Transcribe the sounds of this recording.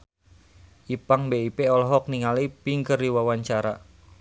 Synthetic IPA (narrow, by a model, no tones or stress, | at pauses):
ʔipaŋbeipeɔlɦɔk̚niŋalipiŋkərdiwawaɲt͡ʃaɾa